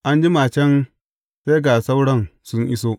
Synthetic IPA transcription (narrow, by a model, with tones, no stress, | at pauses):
ʔa˦nd͡ʒi˦maː˨t͡ʃɛ˦n | se˦ɡa˨sa˦wɽɐ˦nsʊ˦ŋʔɪ˦soː˦